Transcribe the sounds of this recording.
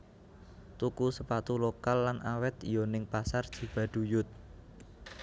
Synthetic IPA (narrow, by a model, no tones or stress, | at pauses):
t̪ukusəpat̪ulokalːanʔawɛt̪̚ijonɪŋpasard̥ʒ̥i̤b̥ä̤ɖ̪̥ṳjʊt̪̚